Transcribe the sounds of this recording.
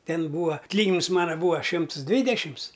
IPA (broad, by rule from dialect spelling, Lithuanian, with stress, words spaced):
ˈtʲɛn ˈbuːɐ ɐtʲˈlʲiːɡʲɪnʲɪms ˈmɑːnɐ ˈbuːɐ ˈʃʲɪms ˈdʲʋʲiːdʲɛʃʲɪms